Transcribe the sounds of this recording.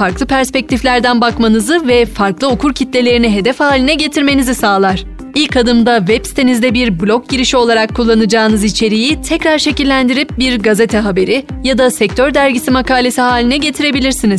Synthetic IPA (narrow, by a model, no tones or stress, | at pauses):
faɾklˠɯpæɾspɛc̚t̪ʰiflʲæɾd̪ænbakmanɯzɯvɛfaɾklˠɯokʰuɾcʰit̪lʲe̞lʲe̞ɾiniɦe̞d̪ɛfhaːlʲinɛɟe̞t̪ʰiɾme̞nizisaːlˠaɾ̥ | ilʲkad̪ɯmd̪avɛpsi̥t̪ʰenizd̪ɛbiɾblʲo̞k̚ɟiɾiʃio̞lˠaɾakʰːulˠːanɯd͡ʒaːɯnɯzit͡ʃʰe̞ɾijit̪ʰɛcɾaɾʃe̞cilʲːænd̪iɾip̚biɾɡaze̞t̪ʰɛɦabe̞ɾijad̪asɛc̚t̪ʰøɾd̪æɾɟisimakaːlʲe̞siɦaːlʲinɛɟe̞t̪ʰiɾe̞bilʲiɾsiniz